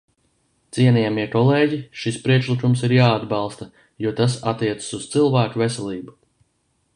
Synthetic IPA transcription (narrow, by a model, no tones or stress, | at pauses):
t̪siɛnijamiɛkɔleːɟiʃispɾiɛkʃlikumsiɾjaːad̪bɑlˠst̪ɐ | juɔt̪asat̪ːiɛt̪sə̥suz̥t̪silˠvæːkuvesɛliːbu